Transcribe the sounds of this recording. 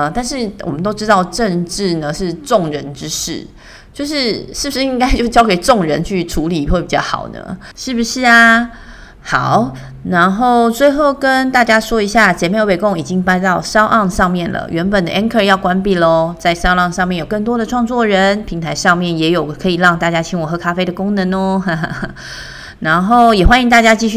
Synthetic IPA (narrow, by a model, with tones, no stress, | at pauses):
ə˩t̪a˥˧nʂɻ̩˥˨wʔɔ˨˩mə˦nt̪o˥ʊʈ͡ʂɻ̩˥t̪ɑ˥˧ʊʈ͡ʂə˥˧ŋʈ͡ʂɻ̩˥˩nə˨ʂɻ̩˥˧˨ʈ͡ʂʊ˥˩ŋɻə˧˥nʈ͡ʂɻ̩˥ʂɻ̩̰˥˩ | t͡ɕjo˥˧ʊʂɻ̩˥˧ʂɻ̩˥˩bu˩ʂɻ̩˥˧i˥ŋka˥ɪt͡ɕjo˥˧t͡ɕjɑ˥ʊke˨˩ɪʈ͡ʂʊ˥˩ŋɻə˧˦nt͡ɕʰy˥˩ʈ͡ʂʰu˧˥li˨˩˨we˥˩pi˨t͡ɕɑ̰˥˩ʊxɑ̰˨˩ʊnə̰˦ | ʂɻ̩˥˩bu˨˩ʂɻ̩˥˩a˨˩ | xɑ˨˩ʊ | na˧˥nxo˥˩ʊt͡swe˥˧ɪxo˥˩ʊkə˦nt̪a˥˩t͡ɕja˥swɔ˥i˧˥ɕja˥˩t͡ɕjɛ˨˧˥me˥˩˧we˨˩ɪkʊ˥ŋi˨˩t͡ɕi˦˥ŋpa˥nt̪ɑ˥˩ʊʂɑ˥ʊʔɑ˥˧ŋʂɑ˥˧ŋmjɛ˥˩nlə̰˩ɥɛ˧˥npə˨˩nd̪ə̰˩˧ʔɛ˥nkʰə˥˧jɑ˥˩ʊkwa˥npi˨˩lɔ˦t͡sa˥˩ɪʂɑ˥ʊɑ˥˧ŋʂɑ˥˧ŋmjɛ˥˩˨jo˨˩kɤ˥˩ŋt̪wɔ˥d̪ə˨ʈ͡ʂʰwɑ˥˧ŋt͡swɔ˥˩ɻə˧˦npʰi˧˥ŋt̪ʰa˧˥ɪʂɑ˥˧ŋmjɛ˥˩njɛ˧˥jo˨˩ʊkʰɤ˧˥i˨˩ɻɑ˥˧ŋt̪a˥˩t͡ɕja˥t͡ɕʰi˧˥ŋwɔ˨˩xɤ˧˥kʰa˥fe˥ɪd̪ə˨kʊ˥ŋnə˧˦nɔ˧˦a˧˩˧ | na˧˥nxo˥˩ʊjɛ˨˩xwa˥ni˧ŋt̪a˥˩t͡ɕja˥t͡ɕi˥˧ɕy˥˩